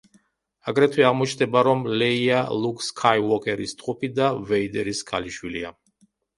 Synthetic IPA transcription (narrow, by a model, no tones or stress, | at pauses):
aɡɾɛt̪ʰwiaʁmɔt͡ʃʰnd̪ɛbaɾɔmlɛialˠukʰʼskʰajwɔkʼɛɾist̪ʼqʼupʰid̪avɛid̪ɛɾiskʰaliʃwilia